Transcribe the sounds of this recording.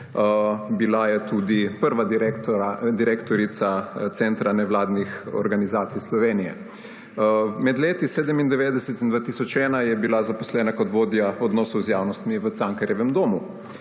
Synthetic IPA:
bilajɛt̪uːd̪ipəɾʋad̪ɾɛkt̪ɾad̪iɾeːkt̪ɔɾit̪sat̪sɛnt̪ɾanɛwlaːd̪nixɔ̰ɾɡanizaːt̪sijslɔʋeːnijɛ̰ | mɛd̪leːt̪iseːd̪ɛmind̪ɛʋeːd̪ɛsɛt̪ind̪ʋat̪iːsɔt͡ʃɛːnajɛbilazapɔslɛːnakɔt̪ʋoːd̪jaɔd̪nɔːsɔwzjaːwnɔst̪miʋət̪saŋkaɾjɛʋɛmd̪oːmu

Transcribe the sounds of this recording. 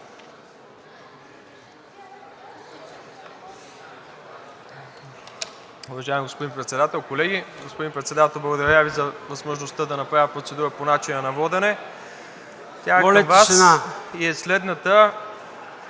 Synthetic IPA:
ʊvɐʒaɛmiɡospod̪inpɾɛt̪sɛd̪at̪ɛlˠkolɛɡʲiɡospod̪inpɾɛt̪sɛd̪at̪ɛlˠblˠɐɡod̪ɐɾʲavizɐvəzmoʒnost̪əd̪ɐnɐpɾavʲətpɾot̪sɛd̪uɾəponat͡ʃinənɐvɔd̪ɛnɛ | t̪ʲaɛlmvasnaiɛslɛd̪nət̪ə

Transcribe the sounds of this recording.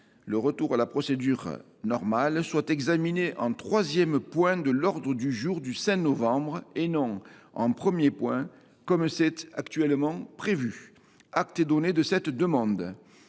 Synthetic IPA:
ləʁət̪uʁalapχɔsed̪yʁ | nɔʁmalswat̪ɛɡzamineʔɑ̃t̪χwazjɛmpwɛ̃d̪əlɔʁd̪ʁəd̪yʒuʁd̪ysɛ̃nɔvɑ̃bʁenɔ̃ɑ̰̃pχəmjepwɛ̃ | kɔmsɛt̪akt̪ɥɛlmɑ̃pχevy | ak̚t̪ɛd̪ɔned̪əsɛt̪d̪əmɑ̃d̪

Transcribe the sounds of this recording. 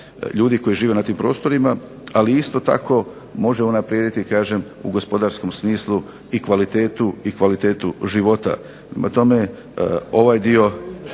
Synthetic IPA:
ʎuːd̪iko̞jiʒiːʋe̞nat̪iːmpɾo̞ːst̪o̞ɾima | aliist̪o̞t̪a̰ko̞ | mo̞ʒe̞unapɾjeːd̪it̪ikaːʒe̞m | ṵɡo̞spo̞d̪aɾsko̞msmiːslˠu | ikʋalit̪e̞ːt̪uikʋalit̪e̞ːt̪uʒiʋo̞t̪a̰ | pɾema̰t̪o̞me̞ | o̞ʋajd̪io̞

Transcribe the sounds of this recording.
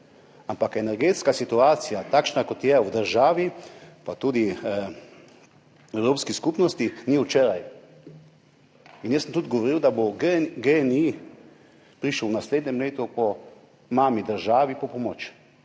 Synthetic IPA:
ampakɛnɛɾɡeːt̪skasit̪uaːt̪sijat̪akʃnakɔt̪jɛwd̪əɾʒaːʋipat̪ud̪i | ɛwɾoːpskiskupnɔst̪iniwt͡ʃeːɾaj | injəsəmt̪uːt̪ɡɔʋɔɾiwd̪aboɡeni | pɾiʃəwwnasleːd̪nʲɛmleːt̪upɔ | maːmid̪əɾʒaːʋipɔpɔmɔt͡ʃ

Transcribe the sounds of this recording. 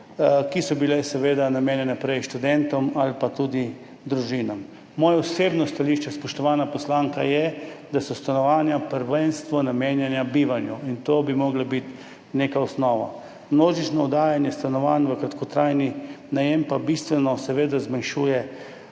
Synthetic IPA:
kisɔbilɛsɛʋeːd̪anameːnjɛnɛpɾɛjʃt̪ud̪ɛnt̪ɔmalpat̪ud̪i | d̪ɾuʒinamː | ɔːjauseːbnɔst̪aliʃt͡ʃɛspɔʃt̪ɔʋaːnapɔslaːŋkajɛd̪asɔst̪anɔʋaːnjapəɾʋɛnst̪ʋɔnameːnjɛnjabiːʋanjuint̪oːbimɔɡlabit̪ | nekaɔsnɔːʋa̰ | mnoːʒit͡ʃnɔɔd̪aːjanjɛst̪anɔʋaːnʋəkɾat̪kɔt̪ɾaːjninajɛmpabist̪ʋɛnɔsɛʋeːd̪azmanʃuːjɛ

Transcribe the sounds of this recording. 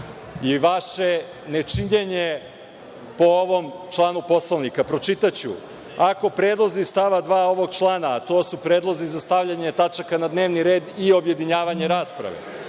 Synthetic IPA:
iʋaʃe̞ | ne̞t͡ʃiɲeɲe | po̞oʋo̞mt͡ʃlˠaːnupo̞slˠoʋnikapɾot͡ʂit̪at͡ɕṵ | ako̞pɾed̪lˠozist̪aʋad̪ʋaːo̞ʋo̞ɡ̚t͡ʃlˠaːnaːt̪o̞ːsupɾeːd̪lˠo̞zizast̪aʋʎaɲe̞t̪at͡ʃakanad̪neːʋniɾe̞ːd̪io̞bje̞d̪iɲaːʋaɲe̞ɾaːspɾa̰ʋḛ

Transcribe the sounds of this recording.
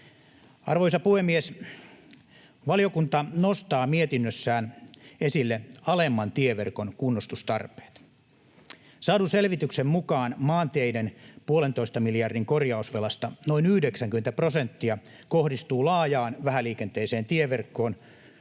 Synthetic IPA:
ɑrʋojsɑpuhemːies | ʋɑlijokunt̪ɑnost̪ɑːmiet̪inːøsːæːnesilːeɑlemːɑnt̪ieʋḛrkonkunːost̪ust̪ɑrpe̥ːt̪ | sɑːduselʋit̪yksemmukɑːnmɑːnt̪eidenpuolent̪oist̪ɑmiljɑrdiŋkorjɑusʋelɑst̪ɑnoinyhdeksæŋk̟yment̪æprosent̪ːiɑ | kohdist̪uːlɑːjɑːnʋæhæliːkent̪eːseːnt̪ieʋerkːo̞ːn

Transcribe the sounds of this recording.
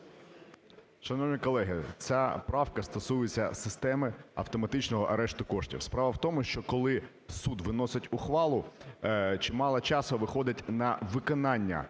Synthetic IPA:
ʃɐnɔwnʲikɔlˠɛɦɪt͡sʲapɾɑwkɐst̪ɔsujʊt͡sʲːɐsɪst̪ɛmɪɐ̰wt̪ɔmɐt̪ɪt͡ʃnɔɦɔʔɐɾɛʃt̪ʊkɔʃtʲḭwspɾɑʋɐwt̪ɔmʊʃt͡ʃɔkɔlˠɪ | sud̪ʋɪnɔsɪtʲʊxʋɑlˠʊ | t͡ʃɪmɑlˠɐt͡ʃɑsɔʋɪxɔd̪ɪtʲnɐʋɪkɔnɑnʲːɐ̰

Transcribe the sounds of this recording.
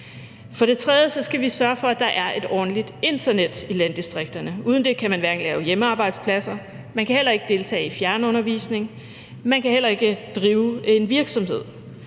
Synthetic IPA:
fɒ̽ɾ̥e̝t͡sʰʁɛð̞ˠəsɒ̽sɡ̥æʋisɶɐfɒ̽æd̥ɑ̈ʔæɐʔe̝d̥ɒ̰ːn̩lid̥e̝nd̥ɐned̥ilænd̥isd̥ʁeɡ̥̚d̥ɐnəuːð̞ˠn̩d̥e̝kʰæmænʋæɐɡ̥ŋ̩lɛːʊjeməɑ̈ːb̥ɑ̈ɪd̥spʰlæsɐ | mænkʰæhel̰ɐe̝ɡ̥əd̥e̝lt͡sʰɛ̰ːifjæɐnəɔ̽nɐʋḭːsne̝ŋ | mænkʰæhel̰ɐe̝ɡ̥əd̥ʁiːʊenʋiɐɡ̥sɒ̽mhe̝ð̞̰ˠ

